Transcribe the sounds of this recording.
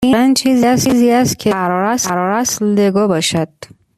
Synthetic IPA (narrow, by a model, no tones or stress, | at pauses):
iant͡ʃʰiziasiziast̪̚kʰeaɾɔɾasɾɔɾasld̪eɡɔbɒʃad̪̥